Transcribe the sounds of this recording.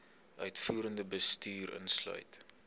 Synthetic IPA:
œɥtfuːɾəndəbəstyːrə̰nslœ̰ɥt

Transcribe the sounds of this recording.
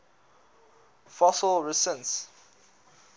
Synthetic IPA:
fɔsəlɹisə̃ns

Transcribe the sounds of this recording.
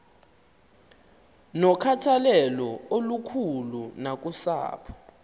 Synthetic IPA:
nɔkʰatʰalɛlɔolukʰulunak̬ʼusa̰ːpʰɔ̥

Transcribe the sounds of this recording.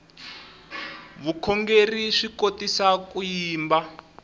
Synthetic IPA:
βukʰɔŋɡeriʂikotisakujiːmba

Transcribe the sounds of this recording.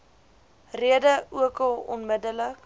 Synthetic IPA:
riədəuəkəlˠɔ̰nmədələk

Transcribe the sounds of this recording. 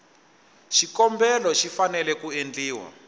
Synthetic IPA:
ʃikɔmbɛlɔʃifanɛlɛkuend͡ɮiːwa̰

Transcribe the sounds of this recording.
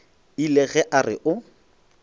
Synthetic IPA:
ilɛɣɛʔarɪʔʊ

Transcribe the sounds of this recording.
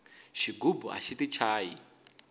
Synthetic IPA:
ʃiɡubua̰ʃitit͡ʃʰaːji

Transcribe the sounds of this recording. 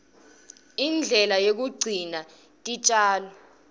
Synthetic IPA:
ind͡ɮʱɛlajok̬uɡ͡ǀʱina | tʼit͡ʃʼaːlɔ

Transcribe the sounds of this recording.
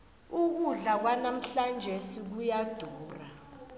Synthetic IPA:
uk̬uɮak̬wanam̩ɬand͡ʒʱesik̬ujad̥ʱuːra

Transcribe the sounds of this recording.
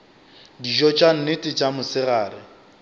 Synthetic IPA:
diʒɔt͡ʃʼan̩nɪtʼɪt͡ʃʼamʊsɪraːɾɪ

